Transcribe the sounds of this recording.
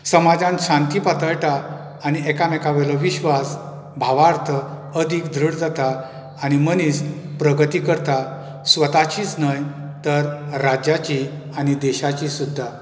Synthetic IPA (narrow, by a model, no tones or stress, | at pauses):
səmad͡zãnɕãnt̪ipat̪əɭʈaː | ñiɛkamɛkaʋɛlɔʋiɕʋas | bʱaʋaɾt̪ʰəəd̪ʱikd̪ʱɾəɽd͡zat̪aː | ñiməniːspɾəɡət̪ikəɾt̪a | sʋət̪at͡ɕiːt͡snəjt̪əɾːad͡ʑat͡ɕiañid̪ɛɕat͡ɕisud̪ʱːa